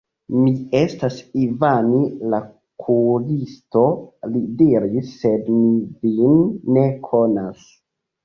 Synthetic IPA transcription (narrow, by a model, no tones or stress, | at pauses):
mie̞stasivanila | kʰuɡisto̞lidiɾisːe̞dmivinːe̞kʰo̞nas